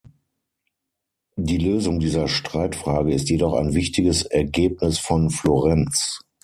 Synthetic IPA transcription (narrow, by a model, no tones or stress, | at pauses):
diːløːzʊŋdiːzɐʃtʁ̥aɪtfʁ̥aːɡəɪstjedɔχa̰ɪnvɪçtɪɡəsɛɐɡeːp̚nɪsfɔnfloʁɛnt͡s